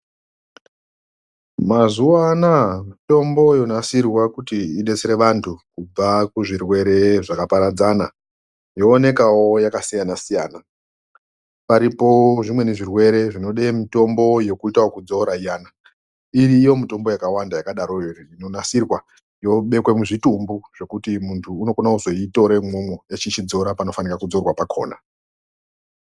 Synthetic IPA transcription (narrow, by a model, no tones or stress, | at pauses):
mazuwanamito̞mbo̞jo̞nasirwakutiiɗe̞t͡seɾe̞ʋantʰukub͡vakuʐirwe̞ɾe̞ʐakapaɾad͡zana | joːne̞kawo̞jakasijanasijaːna | paɾipo̞ʐimwe̞niʐirwe̞ɾe̞ʐino̞ɗemito̞mbo̞je̞kuitawokud͡zo̞ɾaijaːna | iriːjo̞mito̞mbo̞jakawandajakaɗaɾo̞erino̞nasirwa | jo̞ɓe̞kwe̞muʐitumbuʐe̞kutimuntʰuːno̞konauzo̞ito̞ɾemomoet͡ʃit͡ʃid͡zo̞ɾapano̞fanirakud͡zo̞rwapakʰo̞̰ːna̰